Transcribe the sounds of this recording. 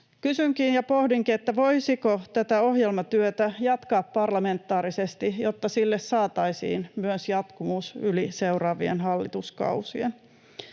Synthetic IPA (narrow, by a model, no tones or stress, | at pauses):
kysyŋkinjɑpo̞hdiŋkiet̪ːæʋo̞jsikot̪æt̪æo̞hjelmɑt̪yøt̪æjɑt̪kɑːppɑrlɑme̞nt̪ːɑːɾisest̪ijot̪ːɑsilːessɑːt̪ɑisḭːnmyøsjɑt̪kumuːsyliseurɑːʋiḛnɦɑlːḭt̪uskɑ̰usḭen